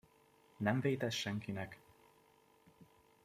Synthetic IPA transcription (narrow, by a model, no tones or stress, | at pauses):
nɛɱveːt̪ɛt̪ʃɛŋkinɛk